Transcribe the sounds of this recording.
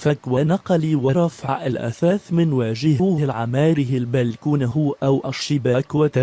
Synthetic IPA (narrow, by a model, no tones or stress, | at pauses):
fakwanɑqɑliːwaɾˤɑfaʕʔalʔa̰θaːθmɪnwaːʒɪhʊːhɪlʕamaːɾɪhɪlbalkuːnaɦʊʔawʔaʃːɪbaːkwat̪a